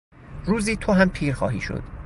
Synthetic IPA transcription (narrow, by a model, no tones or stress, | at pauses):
ruːziːt̪ʰohæmpʰiːɾxɒ̰ːhiːʃo̰d̪̥